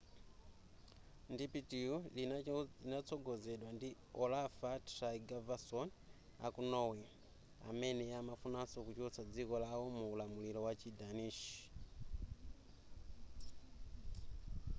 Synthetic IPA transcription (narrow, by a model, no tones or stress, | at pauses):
ndipitiulinat͡sɔɡɔzɛɗwandi | ɔlafatraiɡavasɔn | a̰kunɔwi | a̰mɛnɛjamafunasɔkut͡ʃɔt͡sad͡zikɔlawɔmuːlamulilɔwat͡ʃidaniʃi̥